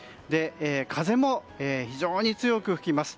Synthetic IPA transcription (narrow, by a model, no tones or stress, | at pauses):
d̪e̞eːkʰaze̞mo̞ | eːçiʑo̞ːɲ̟it͡sɨjo̞kɯ̟ɸɯ̟kʲimasɨ̥